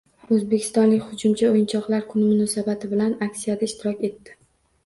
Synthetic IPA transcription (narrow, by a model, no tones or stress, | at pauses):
ɵzbe̞kʲʰɪ̥st̪ɒnlɪkʲhʊd͡ʒʊmt͡ʃʰaojɪnt͡ʃʰɒqlˠaɾkʰʊnɪmʊnɒsabat̪ʰɪbɪlanakʲsijad̪aɪʃt̪ʰɪɾɒkʲe̞t̪ːɪ̥